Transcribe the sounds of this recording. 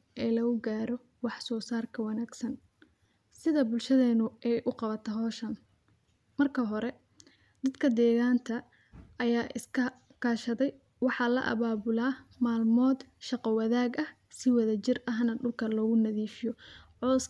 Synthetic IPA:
ʔɛːlɐɣʊɡaːɾɔ | wɑħsɔːsaːrkʰɐwɑnaːɡsɐn | sɪðɐbʊlʃɐðɛːnʊɛjʔʊqɑβɐt̪ʰɐɦɔːʃɐn | mɐrkʰɐɦɔɾɛ | d̪̥ɐd̪kʰɐd̪ɛːɣaːnt̪ʰɐ | ɐjaːʔɪskʰɐ | kʰaːʃɐðɛj | wɑħɑlɐ̰ʔɐ̰βaːbʊlaːmaːlmɔːd̪ʃɑqɔwɑðaːɡɐh | sɪwɐðɐt͡ʃɪrɐɦnɐɖʊlkʰɐlɔːɣʊnɐðiːfɪjɔʕɔs

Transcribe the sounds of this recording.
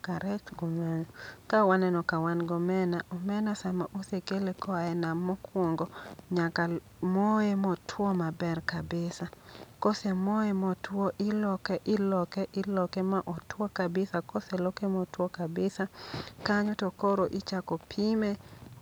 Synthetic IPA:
kaɾɛt͡ʃɡɔmɛnɔkawanɛnɔkawanɡɔmɛnaʔɔmɛnasamaʔosekelekɔaɛnamːɔkwɔŋɡɔɲaka | moemɔtʰwɔmabɛrkabɪsakɔsɛmoemɔtwɔʔɪlɔkɛʔɪlɔkɛʔɪlɔkɛmaʔɔtwɔkabɪsakosɛlɔkemɔtwɔkabɪsakaɲɔtɔkoɾoʔɪt͡ʃakopʰime

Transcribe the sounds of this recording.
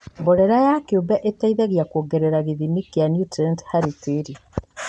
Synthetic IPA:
boɾeɾajakiobɛʔetaiðaɣjakuoːɡeɾeɾaɣiðimikjanjutɾɛnthaɾiteɾi

